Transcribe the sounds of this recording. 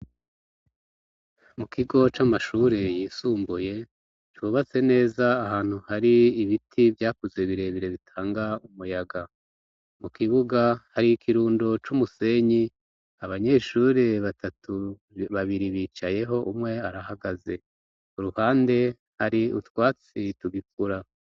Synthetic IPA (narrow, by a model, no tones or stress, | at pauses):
mukʰiɡo̞t͡ʃamaʃuɾe̞jiːsuːmbuje̞ | t͡ʃwuβat͡se̞ne̞ːzaːhaːn̥huhaɾiːβitʰivjaːkuzeβiɾe̞βiɾe̞βitʰaːŋɡaumujaɡa | mukiβuɡahaɾiikʰiɾuːndo̞t͡ʃumuse̞ɲi | aβaɲe̞ːʃuːɾe̞βatʰatʰu | βaβiɾiβiːt͡ʃaje̞ɦo̞ʔumŋe̞aɾaɦaɡaze̞ | uɾuhaːnde̞ | haɾiṵtwaːt͡situɡik̚uɾa